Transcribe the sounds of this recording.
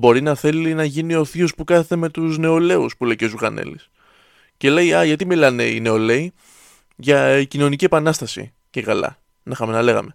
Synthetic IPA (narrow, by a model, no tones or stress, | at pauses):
bo̞ɾinɐθe̞linɐʝinio̞θiospukɐθet̪eme̞t̪uzne̞o̞le̞uspule̞jcozuɣɐnḛlḭs | ce̞le̞jɐʝɐt̪imilɐne̞̰ḭne̞o̞le̞i | ʝɐicino̞nicie̞pɐnɐst̪ɐsḭ | ce̞kɐlɐ̰ | nɐixɐmenɐle̞ɣɐ̰me̞